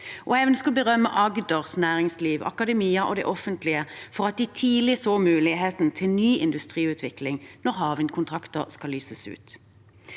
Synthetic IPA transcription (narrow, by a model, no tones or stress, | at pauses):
ʔɔeːʋənskʉbəʁœmːə̰ʔɑɡd̪əʁsnæːʁɪŋsliːʋɑ̰kɑd̪ɛmiːəʔɔ̰d̪ɛ̰ʔɔfənt̪lɪəfɔʁɑt̪̚d̪ɪt̪ʰiːlɪsoːmʉːlɪɦeːt̪n̩t̪ʰɪlnyːɪnd̪ʉst̪ʁiːʉːt̪ʰʋɪklɪŋnɔʁɦɑːʋənkʰʊnt̪ʰʁɑkt̪əʁskɑlːyːsəsʉ̰ːt̪